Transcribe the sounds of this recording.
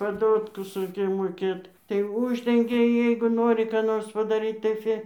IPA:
pɐˈdoːtkʊs ˈrɐɪkʲeːj moːˈkʲeːt tɐɪ ˈʊʒʲdʲɛŋʲɡʲɛ ˈjɛɪɡʊ ˈnoːrʲɪ kɑː ˈnoːrs pɐdɐˈrʲiːt tɐɪ ˈfʲɪ

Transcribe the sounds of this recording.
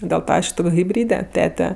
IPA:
dʲeːlˠ ˈtɑː ˈɐʃ ˈtoːkʲ ɣʲɪbʲˈrʲiːdʲɛ ˈtʲæːtʲɛ

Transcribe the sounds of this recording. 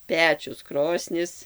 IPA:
ˈpʲæːt͡ʃʲʊs ˈkroːsʲnʲɪs

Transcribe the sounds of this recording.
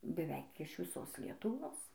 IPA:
bʲɛˈʋʲɛɪk ɪʃ ʋʲɪˈsoːs lʲiɛtʊˈʋoːs

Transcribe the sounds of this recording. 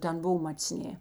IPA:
ˈtʲɛn ˈboːw mɐt͡sʲˈnʲeː

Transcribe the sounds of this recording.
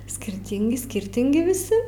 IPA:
sʲkʲɪrʲˈtʲiːŋʲɡʲɪ ˈsʲkʲɪrʲtʲɪŋʲɡʲɪ ʋʲɪˈsʲɪ

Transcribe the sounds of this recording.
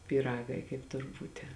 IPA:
pʲiːˈrɑːɡɐɪ kɐɪp ˈtʊr ˈbuːtʲɪ

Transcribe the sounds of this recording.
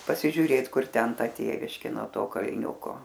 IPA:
pɐsʲɪʒʲʊˈrʲeːt ˈkʊr ˈtʲɛn ˈtʲeːʋʲɪʃʲkʲeː noː ˈtoː kɐlʲˈnʲʊkoː

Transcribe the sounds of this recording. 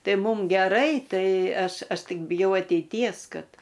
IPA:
ˈtɐɪ ˈmʊm ɡʲɛˈrɐɪ ˈtɐɪ ˈɐʃ ˈɐʃ ˈtʲɪk bʲɪˈjɛʊ ɐtʲɛɪˈtʲiɛs ˈkɐt

